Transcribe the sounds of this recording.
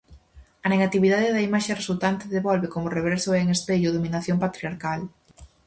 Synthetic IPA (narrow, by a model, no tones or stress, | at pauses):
ɐneɣat̪iβiðaðeðɐimaʃeresult̪ant̪eðeβɔlβekomʊreβeɾsoeŋespeʎʊðominaθjompat̪ɾiaɾkal